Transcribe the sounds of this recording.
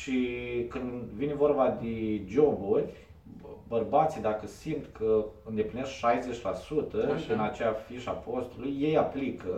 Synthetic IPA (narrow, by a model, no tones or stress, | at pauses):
ʃikɨnd̪vinevo̞rbad̪ed͡ʒo̞burʲ | bərbat̪sijd̪akəsimt̪kʰəɨnd̪e̞pline̞skʃajze̞t͡ʃʲlasut̪əɨnat͡ʃeafiʃapo̞st̪ulujːe̞japlikə